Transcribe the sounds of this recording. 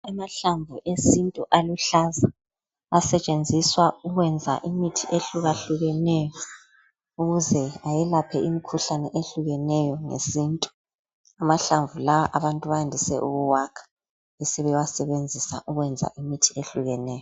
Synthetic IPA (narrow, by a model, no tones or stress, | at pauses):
amaɬaɱvuʔesintʼuʔaluɬaza | asɛt͡ʃʼend͡zʱiswauɣwɛnd͡zʱa̰ʔimitʰiʔeɬuɣaɬuɣɛnɛjɔ | uɣuzɛajɛlapʰɛʔimikʰuɬanɛʔeɬuɣɛnɛjɔŋḛsintʼu̥ | amaɬaɱvulawaʔaβantʼuβajandʱisɛʔuɣuwakʰḁ | esiβɛwasɛβend͡zʱisa̰ʔuɣwɛnd͡zʱa̰ʔimitʰi̥eɬuɣɛnɛːjɔ